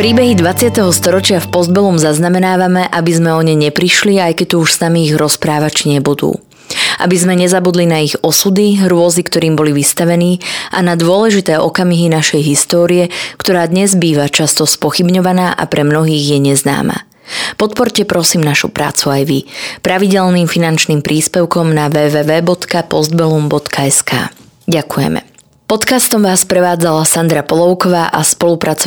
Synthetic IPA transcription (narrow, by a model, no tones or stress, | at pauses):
pɾiːbɛɦid̪ʋat͡sɪat̪ɛɦɔst̪ɔɾɔt͡ʃɪafpɔzd̪̚bɛlɔmzaznamɛnaːʋamɛʔabizmɛɔɲɛjɲɛpɾiʃliajkɛc̚t̪ɔuʃsnamiːɣɾɔspɾaːʋat͡ʃɲɛbud̪ṵː | ʔa̰bizmɛɲɛzabud̪linaiɣɔsud̪iɾʊɔzikt̪ɔɾiːmbɔliʋist̪aʋɛniːʔa̰nad̪ʊɔlɛʒit̪ɛːʔɔkamiɦinaʃɛjɦist̪ɔːɾijɛkt̪ɔɾaːd̪ɲɛzbiːʋat͡ʃast̪ɔspɔxibɲɔʋanaːʔa̰pɾɛmnɔɦiːɣjɛɲɛzna̰ːma̰ | pɔt̪̚pɔɾcɛpɾɔsiːmnaʃṵpɾa̰ːt͡suajʋipɾaʋiɟɛlniːmfinant͡ʃniːmpɾʔiːspɛʊkɔmnaʋɛːʋɛːʋɛːbɔt̪kapɔzd̪̚bɛlumbɔt̪kʰaɛska̰ː | ɟakujɛ̰mɛ̰ | pɔt̪kast̪ɔmʋaːsːpɾɛʋaːd͡zalasand̪ɾapɔlɔʊkɔʋaːʔaspɔlupɾat͡sɔ